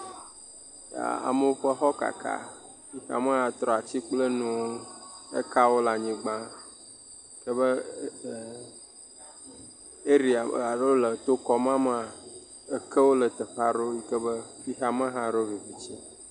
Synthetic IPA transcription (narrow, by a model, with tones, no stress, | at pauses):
ja̰˨a̰˨mə˦wo˦ɸə˦xɔ˦ka̰˨kʰa̰˦ | ɸi˦xa̰˨mə̃˦ɦã˦t̪ɾɔ˨a˨t͡ɕi˦k͡plə˦nũ˦o˦ə̰˦ka˦wo˦la˨ɲĩ˨ɡ͡bã˦ | kə˦bə˦˨ | e˦ɾi˨a˨a˨ɖo˦lə˨t̪o˦kɔ˨mã˦m˦˨a˨ | ə˦kʰə˦wo˦lə˨t̪ə˨ɸa˦ɖo˦ji˦kə˦bə˦ɸi˦xa˦mə˦ɦã˦ɖo˦vi˨vi˨t͡ɕi˦a̰˨